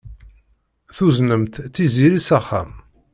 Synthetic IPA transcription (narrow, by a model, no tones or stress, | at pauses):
θuznəmt̪θiziɾisæχæ̰m